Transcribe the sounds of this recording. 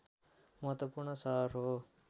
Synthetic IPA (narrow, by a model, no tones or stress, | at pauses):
məɦət̪wɐpuɾɳəsaɾɦo